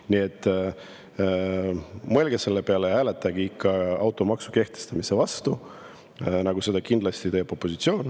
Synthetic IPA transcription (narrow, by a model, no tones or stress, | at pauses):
nie̞t̪ːˑ | molɡese̞lːepe̞ɑlehæːle̞t̪ːˑɑɡiikːɑɑwt̪ːˑo̞mɑksuke̞ht̪e̞st̪ɑmise̞vɑst̪u | nɑɡ̥use̞d̪ɑkind̪lɑst̪it̪e̞ːb̥o̞pːˑo̞sit̪sio̞ːn